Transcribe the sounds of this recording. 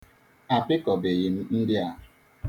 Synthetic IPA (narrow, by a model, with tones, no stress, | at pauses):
a˨pɪ˦kɔ˨be˨ɣɪ˨m̩˦n̩˦dɪ˦a˦˨ɦ